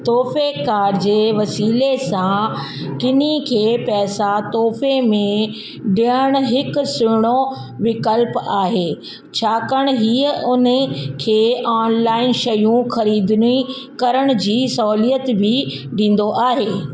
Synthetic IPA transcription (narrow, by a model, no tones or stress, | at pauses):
t̪oːfekaːɾd͡ʑeːʋɐsiːlesãkɪnikʰeːpɛːsat̪oːfemẽ | ɖiəɽ̃ɦɪkʊ̆sʊɪɽ̃o | ʋɪkəlpaːɦeː | t͡ɕʰaːkəɽ̃ɦiːəʔʊn̆kʰeːʔaːnlaːɪnʃɐjũxɐɾiːd̪ni | kɐɾəɽ̃ʊ̆d͡ʑiːsɔːlijət̪bʱɪ | ɖĩːn̆d̪oʔaːɦeː